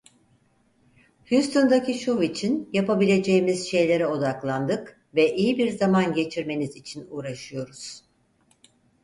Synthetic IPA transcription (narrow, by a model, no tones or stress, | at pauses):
hust̪ʰond̪aciʃuvit͡ʃʰinjapabilʲe̞d͡ʒe̞jimiz̥ʃe̞jlʲe̞ɾɛo̞d̪aklˠand̪ɯk | vɛʔijibiɾzamanɟe̞t͡ʃʰiɾme̞nizit͡ʃʰinuːɾaʃɯjo̞ɾuz̥